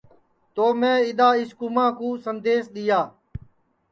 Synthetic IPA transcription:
t̪oːmẽːɪɗ̪aːɪskumãːkũːsənd̪eːsɗ̪ɪjaː

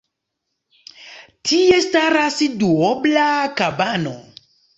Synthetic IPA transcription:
tʰiestaɾasduoblakabano

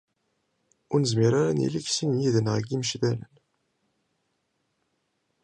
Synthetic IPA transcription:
ʊɾnəzmiɾaɾanḭliçsinjiðənʁɡiməʃðælə̰n

